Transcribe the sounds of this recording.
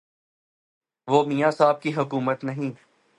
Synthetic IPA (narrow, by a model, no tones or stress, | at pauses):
ʋoːmijãːsaːb̚kiɦʊkuːmət̪nɐɦĩː